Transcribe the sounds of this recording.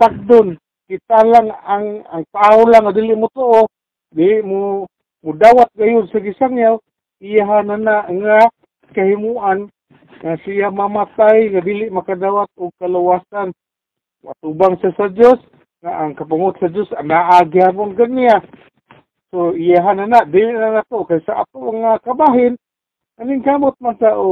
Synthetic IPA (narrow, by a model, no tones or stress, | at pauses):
t̪ak̚dʊn | kit̪alaŋaaŋaŋt̪aolaŋadiliʔmut̪oʔo | diliʔmu | mudawat̪̚ɡajʊd̪saɡisaŋjaw | ijaɦananaʔŋa | kaɦimuʔan | ŋasiamamat̪ajŋadiliʔmakadawat̪̚ʊɡ̚kaluwasan | mʔat̪ubaŋsiasad͡ʒos | ŋaʔaŋkapaŋʊt̪̚sad͡ʒosanaʔaɡihabʊŋɡania | soijaɦananaʔdiliʔnanat̪okajsaʔa̰t̪umaŋakabaɦɪn | anɪŋkamʊt̪̚mansaʔo